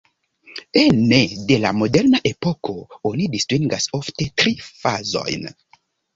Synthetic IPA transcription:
enːede̞la̰mo̞de̞ɾnaʔe̞po̞kʰo̞onidistɾiŋɡaso̞fte̞tɾifazo̞̰jn

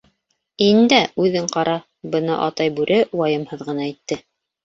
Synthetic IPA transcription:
ind̪æʉðɘɴqɑɾɑ | bɤ̆nɑʔɑt̪ɑjbʉɾʔɘwɑjɤ̆mhɤðʁɤ̆nɑit̪ːɘ

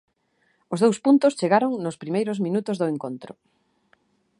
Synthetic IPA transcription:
ozðowspunt̪ʊst͡ʃeɣaɾoŋnʊspɾimejɾʊzmĩnut̪ʊzðʊeŋkont̪ɾʊ

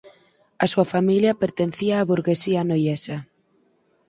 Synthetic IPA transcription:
ɐsuɐfamiljɐpeɾt̪en̟θiaːβuɾɣesianojɛsɐ

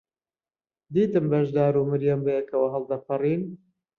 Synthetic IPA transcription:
d̪iːt̪ɨmbɐʒd̪aːɾumɨɾjɛmbɐjekɐwɐɦɐlˠd̪ɐpʰɨrˤiːn

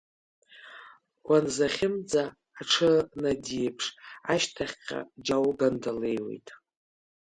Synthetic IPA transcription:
wanzaχʲɪmd͡zaː | ʈ͡ʂʰɨnadipʰʂaʃtʰaχʲqʲʼa̰d͡ʒawɡandale̞jwe̞̰jtʼ

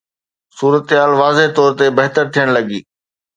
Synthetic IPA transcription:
suːɾət̪ɦaːlʋaːzeɦt̪ɔːɾt̪ebɐɦt̪əɾt̪ʰijəɽ̃lɐɡiː

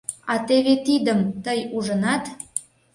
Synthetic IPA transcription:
ɑt̪eβet̪id̪əmt̪əjuʒənɑt̪

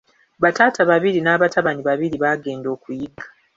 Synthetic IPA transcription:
βataːtʰaβaβiɾinaːβataβaniβaβiɾiβaːɡe̞ːndo̞ːkujiɡḁ

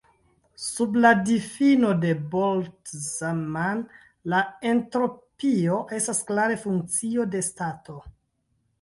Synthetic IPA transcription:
subladifino̞de̞boltzaman | lae̞ntɾo̞pio̞ʔe̞stasklaɾe̞fuŋk̚t͡sio̞de̞stato̞

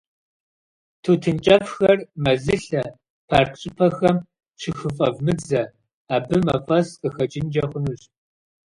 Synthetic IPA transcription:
tʰuːtʰɨnt͡ʃʼɐfxɐrmɐzɨɬɐ | pʰarqɕʼɪpʰɐxɐm | ʂʷʰɨxɨfʼɐvmɨd͡zɐ | aːbɨmɐfʼɐsqʼəxɐt͡ʃʼɪnd͡ʒɐχʷʊnuɕ

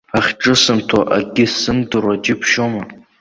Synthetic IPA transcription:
aχʲʈ͡ʂʼɨsɨmtʰaʔa̰ɡʲɪsɨndɨrad͡ʒɪpʰʃoma

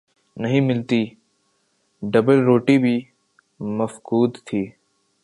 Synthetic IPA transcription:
nɐɦĩmɪlt̪iː | ɖɐbəlɾoːʈibʱi | mɐfkuːd̪t̪ʰiː

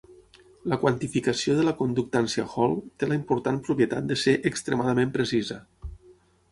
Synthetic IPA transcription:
ləkwant̪ifikəsioðələkund̪uk̚t̪ansjaxɔlˠt̪eləimpuɾt̪anpɾupjət̪at̪̚d̪əseʔəkst̪ɾə̰maðəmẽmpɾəsizə

